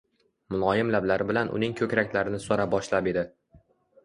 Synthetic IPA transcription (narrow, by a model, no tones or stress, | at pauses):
mʊlˠɒjɪmlablaɾɪbɪlanʔʊ̰nɪŋkʲʰɵkʲɾakʲlaɾɪnɪsoɾabɒʃlape̞d̪ɪ